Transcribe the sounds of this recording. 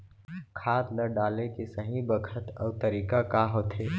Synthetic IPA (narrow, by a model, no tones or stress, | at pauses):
kʰaːt̪ləɖaːlekesɐɦĩbəkʰət̪ɔ̰ːt̪ɐɾiːkakaɦoːt̪eː